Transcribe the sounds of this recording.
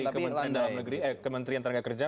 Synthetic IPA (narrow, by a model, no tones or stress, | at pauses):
ikəməiandalamnəɡɾiɛkəmənt̪ɾiant̪əɾaɡakərd͡ʒa